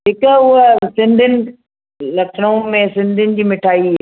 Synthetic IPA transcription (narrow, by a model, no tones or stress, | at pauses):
ɦɪkəʊɦsɪ̃nd̪ʱɪnɪ̆ | lɐkʰɽũmẽsɪ̃nd̪ʱɪnɪ̆d͡ʑiːmɪʈʰaːi